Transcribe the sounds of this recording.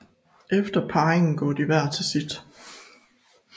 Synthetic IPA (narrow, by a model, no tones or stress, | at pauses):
ʔefd̥ɐpʰɑ̈ːeŋn̩ɡ̥ɒ̰ːd̥iʋæɐ̰t͡sʰe̝sid̥